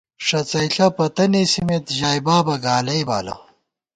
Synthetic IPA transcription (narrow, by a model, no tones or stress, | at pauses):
ʂɐt͡sɐjɬɐpɐt̪ɐnesimet̪ʑaːjbaːbɐɡaːlɐjbaːlɐ̰